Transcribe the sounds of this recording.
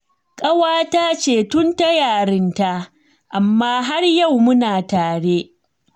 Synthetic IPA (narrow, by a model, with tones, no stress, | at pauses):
kʼɐ˦waː˦taː˦t͡ʃeː˦˨tʊ˦nta˦jaː˨ɽɪ˦nta˦ʔ | ʔa˨mːaː˦ɦa˦rja˦˨wmʊ˦naː˨taː˨ɽe˦